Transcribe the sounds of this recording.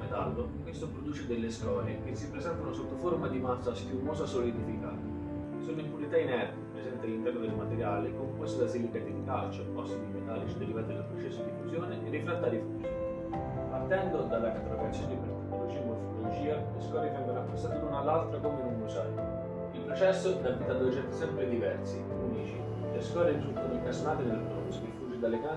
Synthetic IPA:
met̪a̰lːoiŋkwest̪opɾod̪uːt͡ʃed̪elːeskɔːɾjekesːipːɾezɛnt̪anosot̪ːofoɾmad̪imasːast̪umoːsasolid̪ifika̰ːt̪a | solːimpulit̪ainɛrt̪epɾesɛnt̪ealːint̪ɛɾod̪elmat̪eɾjaːlekomkwest̪asilikad̪iikalt͡ʃɛpɔst̪ad̪imet̪aːlit͡ʃid̪eɾivat̪ielapɾot͡ʃɛsːod̪ifusjoːneʔerːiflɛt̪ːad̪ifu | part̪ɛnd̪od̪alːakt̪ːɾakat̪sːjond̪ipeɾt̪eknolod͡ʒimofit̪olod͡ʒiːaleskwɔːɾevɛŋɡoɾapːɾosaːt̪elunalːalt̪ɾakomenunusaɾo | ilpɾot͡ʃɛsːonavit̪ad̪oet͡ʃɛnt̪e̥sɛmpɾed̪ivɛrsi | unit͡ʃi | leskɔɾed̪t̪ɾut̪ːod̪elpersonaːt̪ed̪elapɔ̰sod̪ifuːd͡ʒid̪alːeka

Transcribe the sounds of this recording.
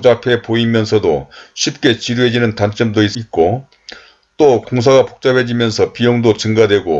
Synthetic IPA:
d͡ʑapʰe̞poimjʌnsʰʌdoɕʰip̚k͈e̞t͡ɕiɾued͡ʑinɯntant͡ɕ͈ʌmdois͈it̚k͈o | t͈okoŋs̬ʰaɡapok̚t͡ɕ͈abed͡ʑimjʌnsʰʌpijoŋdot͡ɕɯŋɡadwe̞ɡo

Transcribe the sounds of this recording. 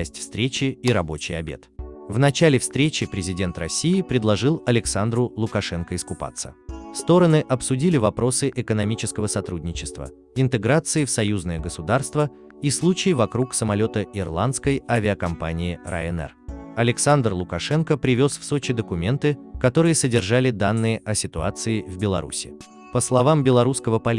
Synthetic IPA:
sʲtʲfst̪ɾʲet͡ɕɪːɾɐbo̞̰t͡ɕɪjɐ̰bʲe̞̰t̪vnɐt͡ɕalʲɪfst̪ɾʲet͡ɕɪpɾʲɪzʲɪdʲe̞nt̪rɐsʲːijɪpɾʲɪd̪lˠɐʐɨlˠɐlʲɪksand̪ɾʊlˠʊkɐʂɛnkəɪskʊpa̰t̪sːə̰st̪o̞ɾənɨʔɐpsʊdʲilʲɪvɐpɾo̞sɨʔɪkənɐmʲit͡ɕɪskəvəsɐt̪ɾudʲnʲɪt͡ɕɪst̪və̰ | ɪnt̪ɨɡɾat̪sɨɪfsɐjuznəjəɡəsʊd̪arst̪və | islˠut͡ɕɪjvɐkɾuksəmɐlʲo̞t̪əɪrlˠant̪skəjavʲɪəkɐmpa̰nʲɪɪra̰ɛnɛ̰rɐlʲɪksand̪rlˠʊkɐʂɛnkəpɾʲɪvʲo̞sfso̞t͡ɕɪd̪əkʊmʲe̞nt̪ɨkɐt̪o̞ɾɨjəsədʲɪrʐalʲɪd̪anːɨjəʔɐsʲɪt̪ʊa̰t̪sɨɪvbʲɪlˠɐ̰ɾṵsʲɪ | pəslˠɐvambʲɪlˠɐɾuskəvəpɐlʲ

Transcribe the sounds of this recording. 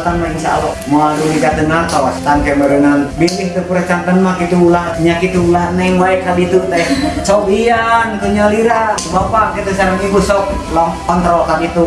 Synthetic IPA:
t̪anmainsa̰lamualuliɡad̪ənart̪awast̪ankaməɾənanbiliht̪upuɾat͡ʃampənmakit̪ulahɲakit̪uulaɦnɛŋwaɛkabit̪ut̪at͡ʃɔbiank̪uɲaliɾa | bapakit̪usaɾaŋibusɔk̚ | lɔkɔnt̪ɾɔlkabit̪u

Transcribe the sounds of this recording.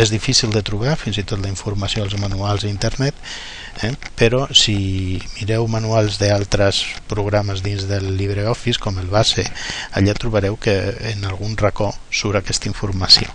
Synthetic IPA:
ezðifisilˠd̪ət̪ɾuβafinzit̪ot̪ləiɱfuɾmasioalzmanualˠzəint̪əɾnɛt̪ | ɛpeɾɔsimiɾɛwmanualˠzðəalˠt̪ɾəspɾuɣɾaməzðinzðəlːiβɾeɔfiskɔməlˠβaseaʎat̪ɾuβəɾɛwkəːnalˠɣ̞unrəkɔsuɾakɛst̪əiɱfuɾmasio̰

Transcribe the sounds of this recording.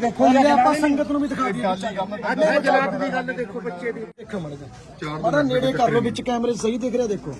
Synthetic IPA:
d̪eːkʰːoːeɾeaːpãːsəŋɡət̪nũːbiːd̪ɪkʰaːd̪ia | mɛ̃əad̪iːɡəld̪eːkʰːobətːʃed̪iːd̪eːkʰːoməd͡ʒ | mət̪əneːɽeːkəɾnõːbɪt͡ʃkɛːmɾeːsəɦiːd̪eːkʰɾeaːd̪eːkʰo̰ː

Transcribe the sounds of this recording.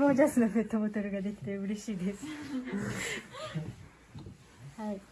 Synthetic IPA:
oːd͡ʑasɨnomet̪ːomot̪oɾɯɡad̪e̞kʲi̥t̪e̞ɯɾe̞ɕiːd̪esɨ̥ | hai

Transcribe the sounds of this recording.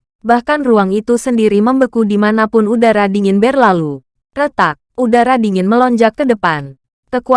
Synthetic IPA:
bahkanruaŋit̪usəndiɾiməmbəkudimanapʊnudaɾadiŋɪnbɛrlalu | rət̪ak̚ʔudaɾadiŋɪnməlɔɲd͡ʒakːədəpan | kəku

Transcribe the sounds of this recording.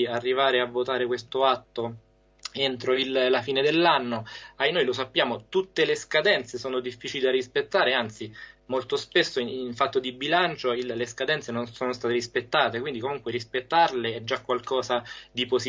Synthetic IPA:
arːivaːɾeavːot̪aːɾekwest̪oat̪ːo | ent̪ɾoillafiːned̪elːanːoajnojlosapːjaːmot̪ut̪ːeleskad̪ɛnt̪sesoːnod̪ifːiːt͡ʃilid̪arispet̪ːaːɾeant̪simolt̪ospesːoinfat̪ːod̪ibilant͡ʃoiːeskad̪ɛnt̪senonsoːnost̪aːt̪eɾispet̪ːaːt̪ekwind̪ikomuŋkweɾispet̪ːarleɛd͡ʒːakːwalkɔːsad̪iposi

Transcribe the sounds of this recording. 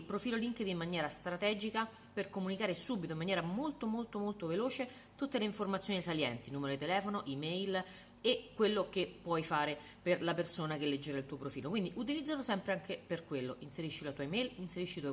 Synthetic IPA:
ilpɾofiːloliŋked̪imːanjɛːɾast̪ɾat̪ɛːd͡ʒika | perkomunikaːɾesuːbːit̪oimanjɛːɾamolt̪omolt̪omolt̪oveloːt͡ʃe | t̪ut̪ːeleiɱformat̪sːjonisaljɛnt̪inuːmeɾod̪it̪elɛːfonoʔimɛjl | ekːwelːokepːwɔjfaːɾe | perlapersoːnak̟elːed͡ʒːeɾailt̪uːopɾofiːlokwind̪iʔut̪̬ilid̪zːalosɛmpɾeaŋkʰeperkwelːoʔinseɾiʃːilat̪uajmɛjlinseɾiʃːit̪uo

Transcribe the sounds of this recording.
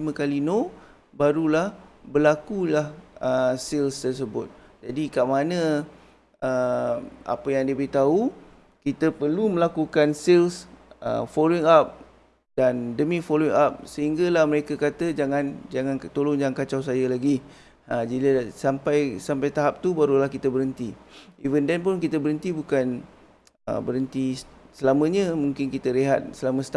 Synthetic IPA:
mãkalino | baɾulahbərlakulahəsilst̪ərs̬əbʊt̪̚ | d͡ʒadikaʔmanə̃ | ə | a̰pəjaŋdiəboit̪au | kit̪əpərlumə̃lakukansilsə̰foloiŋap̚ | dandəmĩfoloiŋap̚səɦiŋɡalahməɾekakat̪əd͡ʒaŋãnd͡ʒaŋãnt̪oloŋd͡ʒaŋãnkat͡ʃaws̬ajəlaɡi | ad͡ʒiasampajsampajt̪aɦap̚t̪ubaɾulahkit̪əbəɾənt̪iivəndɛnpʊnkit̪əbəɾənt̪ibukan | ə̰bəɾənt̪isəlamə̃ɲə̃mũŋkɪnkit̪əɾiɦat̪̚səlaməsə̥t̪a

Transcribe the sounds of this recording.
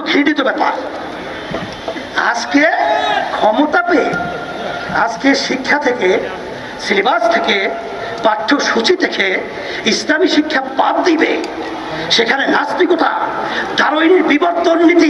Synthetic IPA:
ɡʱiɖit̪obɛpa̰ɾ | a̰d͡ʑkekʰɔmot̪ape | a̰d͡ʑkeʃikʰːat̪ʰeke | silibast̪ʰeke | paʈ̪ʰːoʃut͡ɕʰit̪ekʰe | islamiʃikʰːabab̚d̪ibḛ | ʃekʰanenast̪ɾikot̪a̰d̪aɾojniɾbiboɾt̪ːonːit̪i

